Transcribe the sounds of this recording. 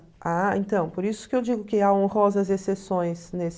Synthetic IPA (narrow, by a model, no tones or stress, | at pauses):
aẽnt̪ɐ̃w̃poɾisʊ̥kɪewd͡ʒiɡʊkɪaõhɔzɐzesesõj̃snes